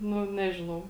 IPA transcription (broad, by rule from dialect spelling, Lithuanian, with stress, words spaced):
ˈnʊ ˈnʲæːʒʲɪnɐʊ